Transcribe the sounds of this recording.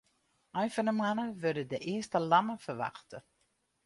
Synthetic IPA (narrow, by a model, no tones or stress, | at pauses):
œjfɔnəmanəʋødədəʔɪəstəlaməfərʋa̰xtə